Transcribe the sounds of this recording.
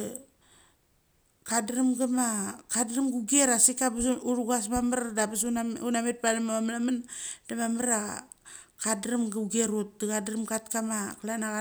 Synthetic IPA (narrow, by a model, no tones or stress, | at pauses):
kadɾamɡamakadɾamɡuɡieɾasikabuɾuɡasmamaɾdabasunaunamet̚palamamamlamand̥amamaɾa | kadɾamɡauɡeɾut̚daɡadɾamɡatkamaklanaɣa